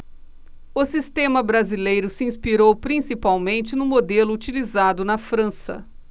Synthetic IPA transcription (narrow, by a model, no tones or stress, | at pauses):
ʊsist̪ẽmɐbɾazilejɾʊsiĩspiɾowpɾĩsipawmẽnt͡ʃɪnʊ̃mod̪elʊːt͡ʃilizad̪ʊnɐfɾɐ̃sɐ̰